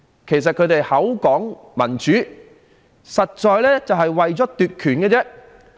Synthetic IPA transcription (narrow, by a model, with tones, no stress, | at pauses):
kʰe˨˩js̬ɐ˨t̚kʰɵ˨˧˥t̪e˨jhɐ˨˥wkɔː˨˥ŋ | mɐ˨˩nt͡ʃyː˨˥ | sɐ˨t̚t͡ʃɔː˨jlɛː˥t͡sɐ˨wɦɐ˨jwɐ˨jt͡sɔː˨˥t̪yː˨t̚kʰyː˨˩nkɛː˧t͡sɛ˥